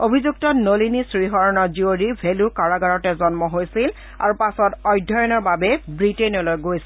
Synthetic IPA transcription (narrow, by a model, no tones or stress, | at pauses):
obʱizuk̚tɔnolinisɹiɦɔɹɔnɔzioɹibʱelukaɹaɡaɹɔtɛzɔnmɔɦojsil | a̰ɹupasɔtɔjdʱɔjɔnɔɹbabɛbɹiteniɔlojɡojsil